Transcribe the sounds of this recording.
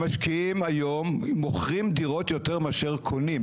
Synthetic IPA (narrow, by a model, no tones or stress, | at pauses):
maʃkiimajomːoχʁimd̪iʁo̞tjo̞teʁmeaʃe̞ʁkʰonim